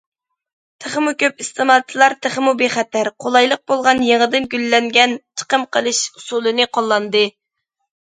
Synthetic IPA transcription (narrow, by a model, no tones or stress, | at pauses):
t̪ʰəχmukʲʰøpist̪ʰɨmɑlˠt̪ʰilˠɑɾt̪ʰəχəmubeχɛt̪ʰæɾqʰolˠɑjlˠəq̚bolˠʁɑnjeŋəd̪ɨnɡʲylːɛŋɡʲɛnt͡ʃʰə̥qəmqʰəlˠɨʃusulˠɨnɨqʰolˠːɑnd̪ɨ